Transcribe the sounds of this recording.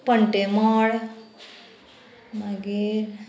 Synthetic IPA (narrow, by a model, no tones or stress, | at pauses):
pəɳʈemaɽ | maɡiɾ